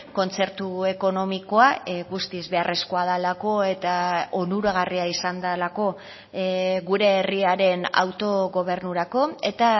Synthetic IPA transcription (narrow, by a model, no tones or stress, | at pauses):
ko̞nt͡se̞ɾt̪ue̞ko̞no̞miko̞aɣust̪izβe̞are̞sko̞aðalako̞e̞t̪aonuɾaɣariaisand̪alako̞ | ɣuɾe̞ːriaɾe̞na̰wt̪o̞ɣo̞β̞e̞ɾnuɾako̞e̞t̪a